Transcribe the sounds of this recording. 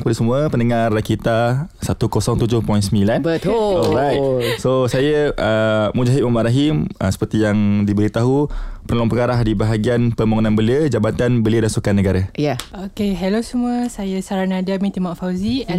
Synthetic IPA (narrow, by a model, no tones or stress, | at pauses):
kəpadasəmuəpəndəŋarakit̪asat̪ukosɔŋt̪ud͡ʒʊhpɔjnsəmilanbətuɔlɾajt̪̚lsosajəʔəmud͡ʒaɦit̪̚maʔmaʔɾaɦiməsə̥pərt̪ijaŋdibəɾit̪aɦupəɾlɔŋpəŋaɾahdibaɦaɡianpəmaŋonãnbəliəd͡ʒabat̪anbəliədansukanːəɡaɾajaokeɦɛlosəmuəsajəsaɾanadamĩt̪imaʔfawzĩ